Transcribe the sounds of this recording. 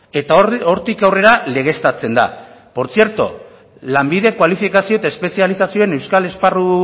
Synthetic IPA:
et̪o̞ɾt̪ikawre̞ɾale̞ɣ̞e̞st̪at͡se̞nd̪a̰ | po̞ɾt͡sieɾt̪o̞̰ | lambið̞e̞kwalifikasio̞e̞t̪aespe̞sialisasio̞ene̞wskale̞sparu

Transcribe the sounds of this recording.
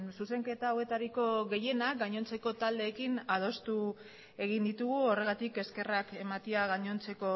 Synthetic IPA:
suse̞ŋke̞t̪aːwe̞t̪aɾiko̞ɣe̞je̞nak̚ɡaɲo̞nt͡se̞ko̞t̪ald̪e̞ːkinað̞o̞st̪u | e̞ɣ̞ind̪it̪uɣuo̞re̞ɣat̪ike̞ske̞rake̞mat̪iaɣaɲo̞nt͡se̞ko̞

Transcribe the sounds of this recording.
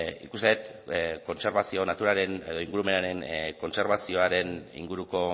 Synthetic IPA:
ḭkuseet̪ko̞nse̞ɾβasio̞nat̪uɾaɾe̞ne̞ðo̞iŋɡuɾume̞naɾe̞ŋko̞nse̞ɾβasio̞aɾe̞nḭŋɡuɾuko̞

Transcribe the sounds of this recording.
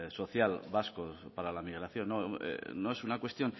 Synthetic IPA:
so̞θjalβaskopaɾalamiɣ̞ɾaθjo̞nːoḛnoe̞sunakwe̞st̪jo̞n

